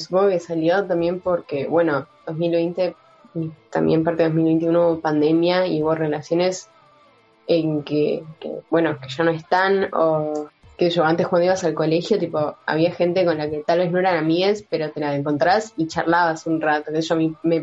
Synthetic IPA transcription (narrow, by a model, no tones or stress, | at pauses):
su̥poŋɡoke̞saljot̪ambje̞mpo̞ɾke̞βwe̞no̞d̪o̞zmilβejnt̪e̞ | t̪a̰mbjempaɾt̪eo̞milβe̞jnt̪̬iunouβopand̪e̞mjaḭuβore̞lasjo̞ne̞s | eŋkekḛβwe̞no̞ke̞ʃano̞e̞st̪ano̰keseʃoant̪ekwand̪oiβasalko̞le̞xjo̞t̪ipo̞a̰βiaxe̞nt̪eko̞nlake̞t̪alβe̞zno̞eɾanamiespe̞ɾo̞t̪e̞laeŋko̞nt̪ɾasit͡ʃa̰ɾlaβasunrat̪o̞kesʃoamime̞